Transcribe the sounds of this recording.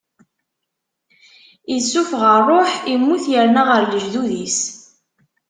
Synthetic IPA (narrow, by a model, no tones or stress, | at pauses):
isːufʁəɾːoħimːuθjəɾnaʁəɾləʒðuðis